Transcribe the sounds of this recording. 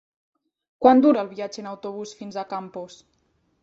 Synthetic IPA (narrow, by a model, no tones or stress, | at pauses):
kwand̪uɾəːlˠβiad͡ʒəːnəwt̪oβ̞usfinzəkampus